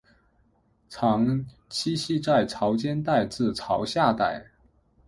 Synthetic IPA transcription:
ʈ͡ʂʰɑ˧˥ŋ | t͡ɕʰi˥ɕi˥˧t͡sa˥˩ɪʈ͡ʂʰɑ˧˥ʊt͡ɕjɛ˥nt̪a˥˧ɪt͡sɹ̩˥˩ʈ͡ʂʰɑ˧˥ʊɕja˥˧t̪a˥˩ɪ

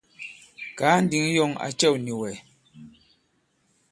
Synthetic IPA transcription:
kaː˨˦n̩˦di˨˦ŋjɔ˦˨ŋa̰˨t͡ʃɛ˦˨wni˨wɛ˨

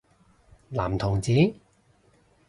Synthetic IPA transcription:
la̰ː˨˩mt̪ʰʊ˨˩ŋt͡siː˨˥

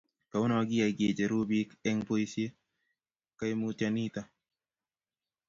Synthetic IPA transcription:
ka˨ʊ˦nɔ˨ɡɪ˦a˨ɡe˨d͡ʒe˨ɾu˦bi˦kɛ˦ŋpo˦isje˦ | ka˦i˦mutjani˦t̪a˨

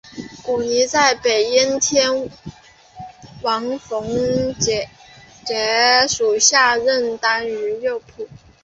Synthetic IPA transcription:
ku˨˩ni˧˥t͡sa˥˩ɪpe˨˩ɪi˥nt̪ʰjɛ˥n | wɑ˧˥ŋfʊ˧˥ŋt͡ɕɛ˧˩ | t͡ɕjɛ˧˥ʂu˨˩ɕja˥˧ɻə˥˩nt̪a˥ny˧˥jo˥˧ʊpʰu˥˩

